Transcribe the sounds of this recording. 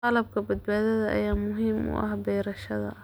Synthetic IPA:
ɑlɐb̚kʰɐbɐd̪̚baːðɐðɐʔɐ̰jaːmʊɦɪmʔʊ̰ʔɐ̰hbɛːɾɐʃɐðɐ̰

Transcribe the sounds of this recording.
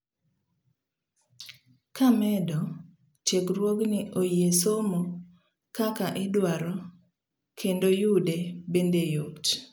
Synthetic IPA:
kamɛdɔ | t͡ʃeɡɾwoɡnɪʔojesomo | kakaʔɪdwaɾɔ | kʰendojudebendejot

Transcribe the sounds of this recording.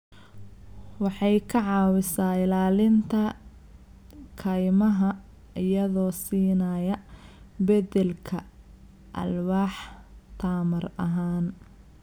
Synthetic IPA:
wɑħɑjkʰɐʕɑːwɪsaːɪlaːlɪnt̪ʰɐ | kʰɐjmɐɦɐ | ɪjɐðɔːsiːnɐːjɐ | bɛdɛlkʰɐ | ʔɐ̰lwɑːħt̪ʰaːmɐrɐ̰ɦaːn

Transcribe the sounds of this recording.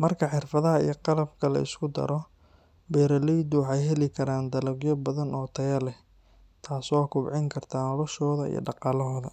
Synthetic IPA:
mɐrkʰɐħɪrfɐðɐɦɐḭjɞqɑlɐbkʰɐlɐ̰ɪ̰skʰʊd̪ɐ̰ɾɔ | bɛːɾɐlɛjd̪ʊwɑħɑjɦɛlɪkʰɐɾaːnd̪ɐlɐɡjɔbɐðɐnɔːt̪ʰɐjɐlɛh | t̪ʰaːsɔːkʰʊbʕɪŋkʰɐrt̪ʰaːnɔlɐʃɔːðɐḭjɞ̰ɖɑqɑːlɔɦɔːðɐ

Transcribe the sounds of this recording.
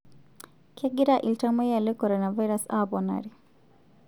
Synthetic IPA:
kʰɛɡiɾaʔiltamɛjalɛkɔɾɔnavajɾasa̰bɔna̰ɾi

